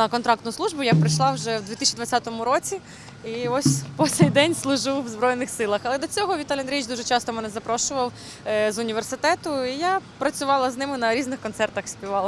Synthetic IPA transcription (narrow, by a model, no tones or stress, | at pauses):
nɐkɔnt̪ɾɑk̚t̪jʊsˠuʒbʊjapɾɪʃlˠɑwʒɛwd̪ʲʋʲit̪ɪsʲt͡ʃid̪ʋɐt͡sʲat̪ɔmʊɾɔt͡sʲi | iɔsʲpɔsɛjd̪ɛnʲslˠʊʒɪwːzbɾɔjnɪxsɪlˠɐxɐlˠɛd̪ɔt͡sʲɔɦɔʋʲit̪alʲɪnɾʲijt͡ʃd̪uʒɛt͡ʃɑst̪ɔmɛnɛzɐpɾɔʃʊʋɐw | zʊnʲiʋersɪt̪ɛt̪ʊijapɾɐt͡sʲʊʋɑlˠɐznɪmɪnɐɾʲiznɪxkɔnt̪sɛrt̪ɐxsʲpʲiʋɑlˠɐ